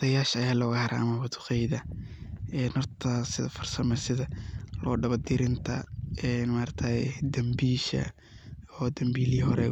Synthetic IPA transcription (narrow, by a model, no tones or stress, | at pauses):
t̪ʰɐjaːʃɐjaːlɔːɣɐhɐɾʔa̰ʔɐmɐwɐt̪ʰʊ̥qɛjðɐ | ɛːnhɔrt̪ʰɐsɪðɐ̰fɔrsɐmɛsɪðɐlɔ̰ːɖɐβɐd̪ɪɾɪnt̪ʰɐɛnmaːɾɐkt̪ʰad̪ɐmbiːʃɐ̰ | ɔːd̪ɐmbiːliːhɔɾɛ̰